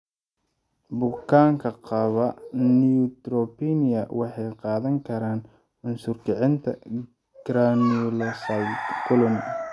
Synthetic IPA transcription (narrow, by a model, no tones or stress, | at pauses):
bʊkʰaːŋkʰɐqɑβɐniʊt̪rɔpinɪɐwɑħɑjqɑːðɐŋkʰɐɾaːn | ʕʊnsʊrkʰɪʕɪnt̪ʰɐ̰ | ɡ̥ɾanɔlɐsɐlkʰʊlɔn